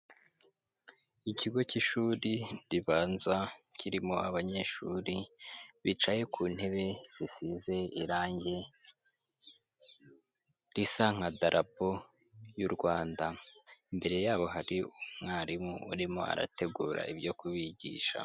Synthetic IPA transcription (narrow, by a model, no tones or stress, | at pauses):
iciɡo̞ciʃuːɾidiβaːnzwacʰiɾimoaβaɲe̞ʃuɾiβit͡ʃaje̞kʰuːn̥he̞βe̞z̥isize̞iɾaːɲɟe̞ | ɾisaŋ̥adaɾʔapo̞ | juɾɡwaːndambe̞ɾe̞jaːβo̞ɦaɾiumŋaːɾimuuɾimoa̰ɾa̰te̞ɡuːɾa̰ʔibjo̞kuβiɟḭːʃa̰